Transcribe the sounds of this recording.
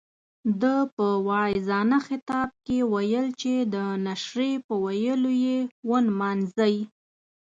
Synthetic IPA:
d̪əpəwɑɪzɑnaxɪt̪ɑb̚kewajəlt͡ʃed̪ənaʃɾepəwajəlojewənmɑnzaji

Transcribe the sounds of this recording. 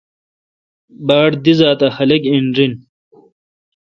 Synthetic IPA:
baːɽd̪izaːt̪ɐhɐlekiɳɾin

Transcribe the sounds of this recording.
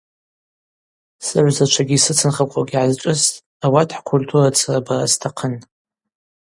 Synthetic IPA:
sɨʕʷzat͡ʃʷʰaɡʲisɨt͡sʰɨnχakʷʼaɡʲiʕazʈ͡ʂʼɨstʼ | awatʰħkʷʰultʰurat͡sʰarabaastʰaqʰən

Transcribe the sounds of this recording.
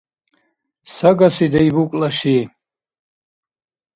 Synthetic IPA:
sɐɡasid̪ɐibukʼlaʃi

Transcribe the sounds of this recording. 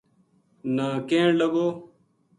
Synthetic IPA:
nãːkẽːɳlɐboː

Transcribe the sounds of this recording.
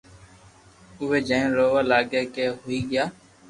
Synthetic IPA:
ʊʋeːd͡ʒaːẽːɾoːʋaːlaːɡeːkeːɦoːiːɡɪjaː

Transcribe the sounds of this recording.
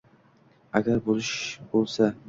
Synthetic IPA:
aɡʲaɾbolɪʃbolˠsa

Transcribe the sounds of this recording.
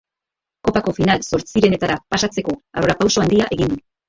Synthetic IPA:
ko̞pako̞finalso̞ɾt͡siɾe̞ne̞t̪aɾapasat͡se̞ko̞aroɾapawso̞and̪iaʔe̞ɣind̪u

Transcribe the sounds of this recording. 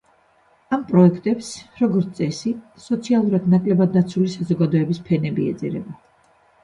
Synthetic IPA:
ampʼɾɔɛkʰt̪ʼɛpsɾɔɡɔɾt̪ʼɛsi | sɔt̪sʰialˠuɾad̪nakʼlɛbad̪̚nat̪sʰulisazɔɡad̪ɔɛbispʰɛnɛbiɛ̰d̪zɛ̰ɾɛ̰ba

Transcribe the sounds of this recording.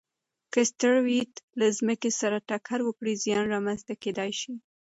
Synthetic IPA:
kəst̪əɽwit̪lazməkesaɾaʈakʰaɾwəkɽizjɑnɾɑmanzt̪aked̪ɑjʃi

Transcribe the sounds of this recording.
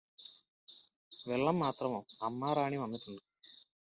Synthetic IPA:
ʋeɭːɐmːaːt̪rɐmo̞ːɐmːaːɾaːɳiʋɐnːuʈːuɳɖɨ

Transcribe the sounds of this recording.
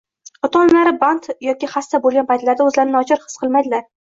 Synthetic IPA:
ɒt̪ʰɒnlaɾɪbant̪jɒkʲiχast̪abolˠɡʲanpʰajt̪laɾd̪aɵzlaɾɪnɪɒt͡ʃʰɪɾχɨ̥sqɨlˠmajd̪ɪlaɾ

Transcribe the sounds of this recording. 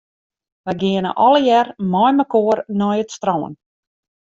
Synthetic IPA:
ʋɛjɡɪənə̰ʔɔləjɛrmɔjməkoːərnɔjətstrɔːə̰n

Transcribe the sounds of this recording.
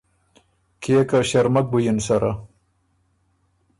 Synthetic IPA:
kʰekaɕaɾmak̚bujinsaɾʔa

